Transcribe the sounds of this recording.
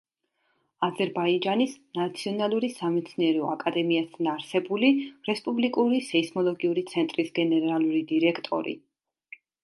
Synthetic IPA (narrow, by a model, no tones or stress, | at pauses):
azɛɾbaid͡ʒanisnat̪sʰiɔnalˠuɾisamɛt̪sʰniɛɾɛɔakʼad̪ɛmiast̪ʰanaɾsɛbuliɾɛspʼublikʼuɾisɛismɔlˠɔɡiuɾit̪sʰɛnt̪ʼɾisɡɛnɛɾalˠuɾid̪iɾɛkʰt̪ʼɔ̰ɾḭ